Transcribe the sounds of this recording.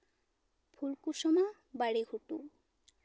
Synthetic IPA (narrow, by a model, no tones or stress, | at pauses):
pʰulkuʃɔma | baɽeɡʱuʈu